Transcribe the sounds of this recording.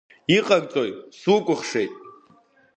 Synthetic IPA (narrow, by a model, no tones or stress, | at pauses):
iqʼaɡʼt͡sʼojsukʷʼʊχʂe̞jtʼ